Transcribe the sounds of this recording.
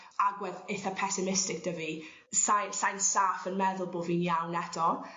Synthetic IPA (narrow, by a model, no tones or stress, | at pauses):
aɡwɛðejθapʰɛsɪmɪstɪk̚d̥əvi | sajnsajnstaːfənmɛðʊlˠbʊːviːnjawnɛdɔ